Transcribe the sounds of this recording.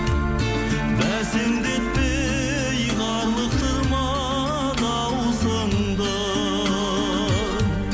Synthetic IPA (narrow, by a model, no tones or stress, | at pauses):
bæseŋd̪et̪̚pe | jʁɑɾlˠəq̚t̪ʰəɾmɑ | nɑ | w | səɴd̪ə